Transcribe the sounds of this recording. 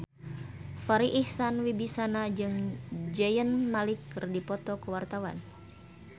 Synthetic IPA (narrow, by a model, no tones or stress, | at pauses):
faɾiʔihsanwibisanad͡ʒɨŋd͡ʒɛjənmalikːɨrdipɔt̪ɔkəwart̪awa̰n